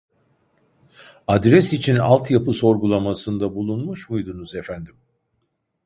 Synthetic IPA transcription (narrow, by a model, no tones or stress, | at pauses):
ad̪ɾɛsit͡ʃʰina̰lˠt̪japʰɯso̞ɾɡulˠamasɯnd̪abulˠunmuʃmujd̪unuzefænd̪im